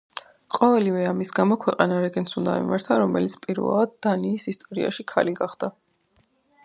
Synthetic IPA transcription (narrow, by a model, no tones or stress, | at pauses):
qʼɔvɛlivɛamisɡamɔkʰwɛqʼanaɾɛɡɛnsund̪a̰ḭmaɾt̪ʰaɾɔmɛ̰lit̪sʰpʼiɾvɛ̰lˠad̪d̪ːaniːsist̪ʼɔɾḭa̰ʃikʰaliɡaχd̪̥a